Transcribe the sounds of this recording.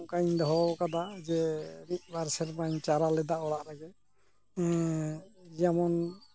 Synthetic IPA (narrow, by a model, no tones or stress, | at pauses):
kaɲd̪ɔɦɔkad̪ad͡ʒɛmit̪̚ˀbaɾsɛɾmaɲt͡ʃaɾalɛd̪aɔɽaʔɾaɡɛ | d͡ʒamɔn